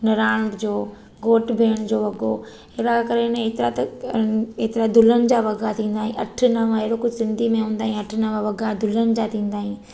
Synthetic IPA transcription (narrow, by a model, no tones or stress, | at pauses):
nɐɾaːɽ̃kd͡ʑoː | ɡoːʈbʱeːɽ̃d͡ʑoːʋɐɡo | ɦeɾakɐɾeneːt̪ɪɾat̪ɐ | eːt̪ɪɾad̪ʱʊlənɪ̆d͡ʑaːʋɐɡʱat̪ʰĩːn̆d̪aːɦĩʔɐ̰ʈʰʊ̆nəʋãɦeɽokʊd͡ʑʱɪsɪ̃nd̪ʱimẽɦũːnd̪aːĩɐʈʰʊnɐʋãʋɐɡad̪ʱʊlənɪ̆d͡ʑaːt̪ʰĩːn̆d̪aːɦĩ